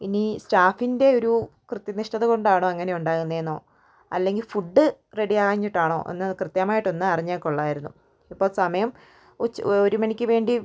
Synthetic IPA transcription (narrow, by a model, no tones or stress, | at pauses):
inistaːfinde̞o̞ɾukrɨt̪jɐniʂʈɐðɨko̞ɳɖaːɳoːɐŋːɐne̞juɳɖaːɣunːɐenːo̞ː | ɐ̰lːe̞ŋɡilfuɖːɨre̞ɽijaːɣaːɲːiʈːaːɳo̞̰ːʔḛnːɨkrɨt̪jɐmaːjiʈːo̞nːɨɐriɲːaːkːuɭːaːjiɾunːṵ | ipːo̞ːɭsɐmɐjɐm | ot͡ɕːoɾumɐnikʲːɨʋe̞ːɳɖi